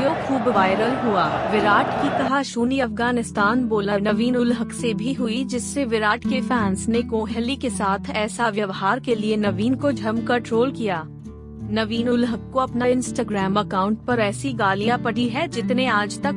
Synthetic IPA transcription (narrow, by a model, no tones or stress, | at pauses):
joxʰuːbʋaːɪɾəlɦuaːʋɪɾaːʈkit̪ɐɦaʃuːniɐfɡaːnɪst̪aːnboːlənɐʋiːnʊlɦəksebʱiɦʊid͡ʒɪsːeʋɪɾaːʈkefɛ̃ːnsnekõːɦɛlikesaːt̪ʰɛːsaʋjɐʋɦaːɾkelienɐʋiːnkod͡ʒʱɐɾmkɐɾʈɾoːlkijaː | nɐʋiːnʊlɦəkːoɐpnaɪ̃nsʈaːɡɾɛːmɐkaːʊ̃ɳʈ̚pɐɾɛːsiɡaːlijãpɐɽiɦɛd͡ʒɪt̪neaːd͡ʒt̪ɐk